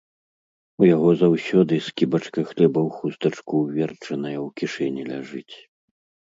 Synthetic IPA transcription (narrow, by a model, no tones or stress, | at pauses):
ujaɣɔzawsʲɔd̪ɨskʲibɐt͡ʂkɐxlʲɛbɐwxust̪ɐt͡ʂkuwvʲɛrt͡ʂɐnɐjɐwkʲiʂɛnʲilʲaʐɨt͡sʲ